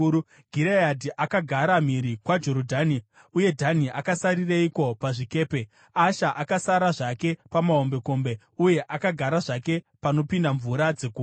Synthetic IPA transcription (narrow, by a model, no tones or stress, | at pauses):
ɡʱiɾeadiʔakaɡʱaɾam̤iɾikwad͡ʒo̞ɾodʱani | uje̞dʱaniʔakasaɾireiko̞paʐike̞ːpe̞ | aʃaʔakasaɾaʐake̞pamaɦo̞mbe̞ko̞mbe̞ | uje̞ʔakaɡʱaɾaʐake̞ | pano̞pindaɱvuɾad͡ze̞ɡuː